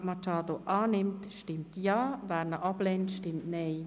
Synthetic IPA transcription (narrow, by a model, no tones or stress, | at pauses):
mɑt͡ʃɑːdoʔɑːnɪmtʃtɪmtjɑːʋæːɾnəʔɑblentʃtɪmtneː